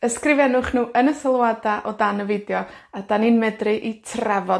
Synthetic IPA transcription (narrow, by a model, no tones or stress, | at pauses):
əskrɪvɛnʊχnuːʔənəsəlˠwadaʔɔdanəvɪdjɔadaninmɛdrɨʔitʰrɛvɔ